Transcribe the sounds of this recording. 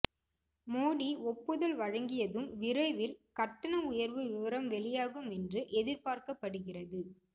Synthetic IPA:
moːɽiɔpːɯðɐlʋɐɻɐŋɡɪjɐðɯmʋɪɾɐɪʋɪlkɐʈːɐnɐʊjɐɾʋɯʋɪʋɐɾɐmʋɛɭɪjaːɣɯmɛndrɯʔɛðɪɾpaːɾkɐpːɐɽɯɣɪrɐðɯ

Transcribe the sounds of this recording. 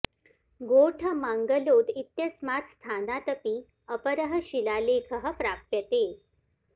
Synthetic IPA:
ɡoʈʰəmaŋɡəlod̪it̪jəsmat̪st̪ʰanat̪əpiː | əpəɾəɦəɕilalekʰəɦə̆pɾappjət̪e

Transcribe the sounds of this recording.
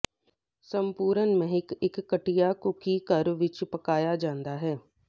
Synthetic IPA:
səmpuːɾənmɛ̃ɦɪkɪkːəʈijaːkʊkiːkəɾʋɪt͡ʃpəkaːjaːd͡ʒãːnd̪aːɦɛː

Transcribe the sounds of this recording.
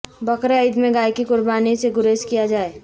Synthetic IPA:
bɐkɾaəɪd̪mẽɡaːjkikʊɾbaːniseɡʊɾeːskijad͡ʒaːe

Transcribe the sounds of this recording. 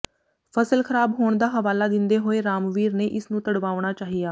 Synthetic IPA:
pʰəsəlkʰəɾaːbɦoːɳ̃d̪aːɦəʋaːlaːd̪ɪnd̪eːɦoːeːɾaːmʋiːɾneːʔɪsnũːt̪əɽʋaːʊɽ̃aːt͡ʃaːɦijaː

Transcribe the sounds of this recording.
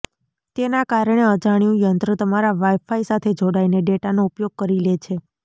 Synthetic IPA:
t̪enakaɾəɽ̃eəd͡ʒaɽ̃jũjənt̪ɾət̪əmaɾaʋajfaisat̪ʰed͡ʒoɽaineɖeʈanoupjoɡ̚kəɾilet͡ʃʰe

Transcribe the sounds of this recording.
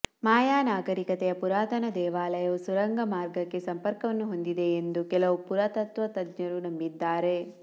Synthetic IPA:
maːjaːnaːɡɐɾikɐt̪ɛjɐpuɾaːt̪ɐnɐd̪ɛːʋaːlɐjɐʋusuɾɐŋɡʱɐmaːɾɡɐkːe̞sɐmpɐɾkɐʋɐnːuɦo̞nd̪id̪e̞ːnd̪ukɛlɐʋupuɾɐt̪ɐt̪ʋɐt̪ɐd̪ɲɐɾunɐmbid̪ːaːɾe̞

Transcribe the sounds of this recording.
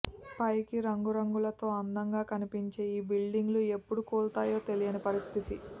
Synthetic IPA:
pɐjkiɾɐŋɡuɾɐŋɡulɐt̪o̞ːɐnd̪ɐŋɡaːkɐnipiɲt͡ʃe̞ːiːbilɖiŋɡlue̞pːuɽukuːɭt̪aːjo̞ːt̪e̞lijɐnipɐɾist̪ʰit̪i

